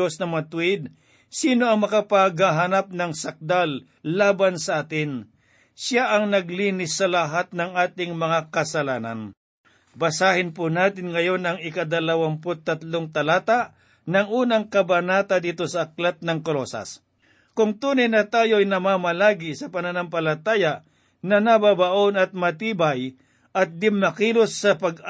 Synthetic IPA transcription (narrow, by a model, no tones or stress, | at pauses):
osnɐmɐat̪ʊwɪd̪̚ | siːnoɐŋmɐkapaɡaɦanap̚nɐŋsɐk̚d̪alː | aːbansɐʔaːt̪ɪn | saʔɐŋnɐɡliːnɪsːɐlɐɦat̪̚nɐŋʔaːt̪ɪŋmɐŋakɐsɐlaːnɐ̰n | bɐsaːhɪnpʊnaːt̪ɪnŋɐjo̞nɐŋɪkɐd̪ɐlɐwampot̪ːɐt̪loŋt̪ɐlaːt̪aʔ | nɐŋʔuːnɐŋkɐbɐnaːt̪ad̪iːt̪o̞sɐːklat̪̚nɐŋkolosa̰s | kʊŋt̪uːnɐjnɐt̪aːjoɐjnɐmaːmɐlaːɡɪsɐpɐnɐnampɐlɐt̪aːja | nɐnɐbabaʔonɐt̪̚mɐt̪iːbaj | ʔɐt̪̚d̪ɪmːɐkilosːɐpɐɡ